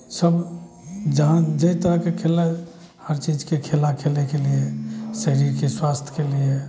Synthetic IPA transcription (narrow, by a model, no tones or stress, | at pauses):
səb | d͡ʒəɦãd͡ʒəit̪əɾəkekʰele | həɾt͡ʃid͡ʒkekʰelakʰelnekeliesəɾiːɾkeswast̪ʰkelie